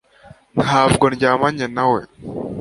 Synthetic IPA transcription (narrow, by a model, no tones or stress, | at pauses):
naːvɡɔnɟaːmaɲenawe